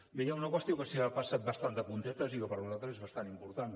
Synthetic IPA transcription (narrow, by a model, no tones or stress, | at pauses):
bejaunəkwəst̪iokəsiapasat̪̚bəst̪and̪əpunt̪ɛt̪əzikəpəɾβuzalˠt̪ɾəzezβəst̪animpuɾt̪an